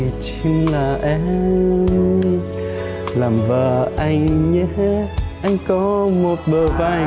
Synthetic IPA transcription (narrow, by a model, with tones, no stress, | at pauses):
t͡ɕɨ˧˦ŋlaː˨˩ʔɛ˧˦ | laː˨˩mvəː˨˩ʔa˧jŋɲɛ˧˦ʔa˧jŋ̟kɔ˨˦mo˨˩t̚ɓəː˨˩va˧˩